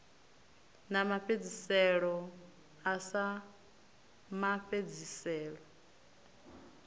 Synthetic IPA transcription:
namaɸed͡zisɛɺɔ | asa | maɸed͡zisɛːɺɔ

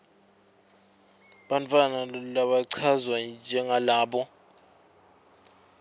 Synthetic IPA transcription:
ɓant͡fʰʼanalaɓaǀʰazwand͡ʒʱɛŋalaːɓɔ

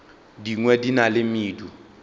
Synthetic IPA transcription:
diŋwɛdinalemiːdu

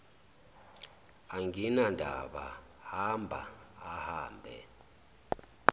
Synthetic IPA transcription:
aŋɡʱinandʱa̰ɓa | hambʱa̰ːhaːmbʱɛ̰

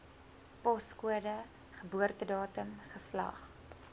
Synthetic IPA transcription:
pɔskuədə | χəbuərtədɑːtəmχəslɐ̰χ

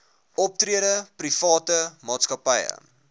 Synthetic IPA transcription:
ʔɔp̚triəɾəprifɑːtəmɑːtskɐpəjə̰

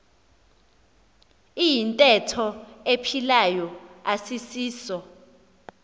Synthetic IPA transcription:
ijintʼɛtʰɔepʰilajɔasisiːsɔ

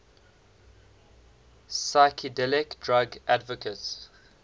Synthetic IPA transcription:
saɪkʰədɛlɪkdɹaɡʔadvəkʰəts

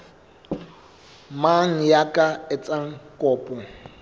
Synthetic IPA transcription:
maŋ̩jakʼaɪt͡sʼaŋ̩kʼɔːpʼɔ

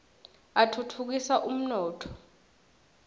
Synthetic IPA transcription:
atʰutʰuk̬isaʔum̩nɔːtʰɔ̥

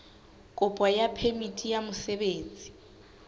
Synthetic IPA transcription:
kʼʊpʼwajapʰemitʼijamʊsɛbeːnd͡zʱʼi̥

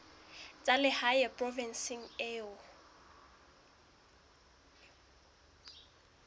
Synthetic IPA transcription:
t͡sʼalɪhajɛpʼrɔvɛnsiŋ̩eːʊ

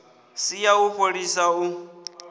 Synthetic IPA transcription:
sijauɸoɺisau

